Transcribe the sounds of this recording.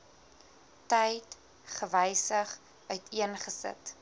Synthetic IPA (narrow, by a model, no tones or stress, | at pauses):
tɛjt | χəvɛjsəχ | œɥtʰiənχəsə̰t